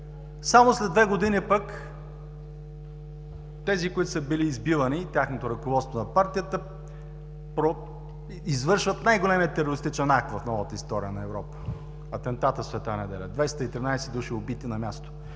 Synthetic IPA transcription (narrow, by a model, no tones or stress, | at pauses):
samoslɛd̪vɛɡod̪inipək | t̪ɛzikoit̪ʊsəbiliːzbivənit̪ʲjaxnot̪oɾɐkovɔt̪st̪vonɐpaɾt̪ijət̪ə | pɾo | izvɤɾʃvət̪najɡolɛmiət̪ɛɾoɾist̪it͡ʃɛnak̚t̪vɐfnɔvət̪əist̪ɔɾijənɐɛvɾɔpə̥ | ɐt̪ɛnt̪at̪əsvɛt̪anɛd̪ɛlʲɛd̪vɛjst̪əit̪ɾinajsɛd̪uʃiobit̪inɐmʲjast̪o̥